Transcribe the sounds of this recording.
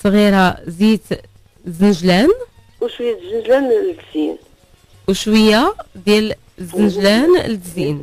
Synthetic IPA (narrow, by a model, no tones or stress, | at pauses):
sˤɣiɾɑzit̪ | zənʒlæn | wʃwəjːæt̪zənʒlænld̪zin | wʃwəjːad̪jæl | zːənʒlænld̪zin